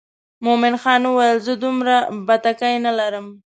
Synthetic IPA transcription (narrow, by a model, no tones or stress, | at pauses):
momɪnxɑnuwajəlzəd̪umɾabat̪akajnalaɾəm